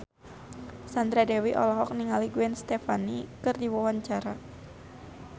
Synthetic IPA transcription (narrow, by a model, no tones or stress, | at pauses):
sand̪ɾadɛwiʔɔ̰lɔɦɔk̚niŋaliɡuɛnst̪ɛfanikɨrdiwawaɲt͡ʃaɾa